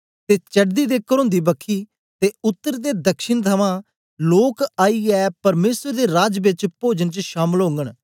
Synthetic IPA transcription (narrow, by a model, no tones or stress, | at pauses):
t̪eːt͡ʃəɖd̪iːd̪eːkəɾõːnd̪iːbəkʰːiː | t̪eːʊt̪ːəɾd̪eːd̪əkʃɪɳt̪ʰəʋãː | loːkaːiːɛːpəɾmeːsəɾd̪eːɾaːd͡ʒbɪt͡ʃpoːd͡ʒənt͡ʃʃaːməlɦõːŋɡəɽ